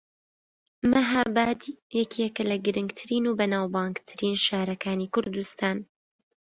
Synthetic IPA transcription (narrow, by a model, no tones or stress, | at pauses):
mɐɦabaːd̪ijɛkʰiɛkɐlɐɡɨɾɨŋɡt̪ʰɨɾiːnuːbɐnaːwbɑːŋɡt̪ʰɨɾiːnʃaːɾɐkʰaːniːkʊɾd̪ust̪aːn